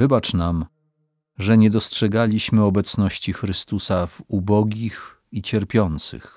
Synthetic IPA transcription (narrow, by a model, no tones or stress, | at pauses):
vɘbat͡ʂnam | ʐɛɲɛd̪ɔstʂɛɡalʲiɕmɘɔbɛt̪snɔɕt͡ɕixɾɘst̪usavubɔɡʲix | it͡ɕɛɾpʲjɔnt̪sɘ̰x